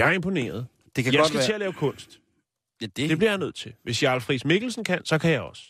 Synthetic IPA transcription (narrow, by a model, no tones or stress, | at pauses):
jɑ̈ɐempʰo̝ne̝̰ːɐð̞̩ˠ | d̥ekʰæjɑsɡæt͡sʰe̝ælɛːʊkʰɔ̽n̰sd̥ | d̥d̥e̝b̥liɐjɑ̈ɪnøð̞̰ˠt͡sʰe̝lʋe̝sjɑ̈lfʁismeɡ̥l̩sn̩kʰænsɒ̽kʰæjɑ̈ɪɒ̽sə̥